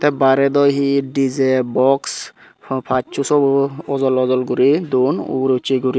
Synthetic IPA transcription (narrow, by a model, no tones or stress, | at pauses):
t̪ɛbaɾɛd̪ɔjɦidizɛbɔks | pʰat͡ʃusɔɔzɔlɔzɔlɡuɾid̪unṵɾot͡ʃiɡuɾi